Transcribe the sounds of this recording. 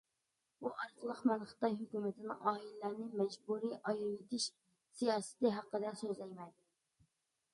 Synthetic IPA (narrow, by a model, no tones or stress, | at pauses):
buʔɑɾzəlˠəχmɛnχə̥t̪ɑjɦykʲymɪt̪ʰɪnɪ̰ŋʔɑːilːæɾnɪmɛd͡ʒbuɾiʔɑjɾet̪ʰɪʃ | sijɑːsɨ̥t̪lɪɦɑqːəd̪ɛsøzlɛjmɛjd̪ɪ